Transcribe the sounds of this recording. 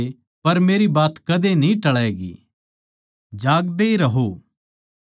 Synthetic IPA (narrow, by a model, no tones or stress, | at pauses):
pɐɾmeːɾibaːt̪kɐd̪enĩʈɐɭɛːɡḭː | d͡ʒaːɡd̪eiɾɐɦoː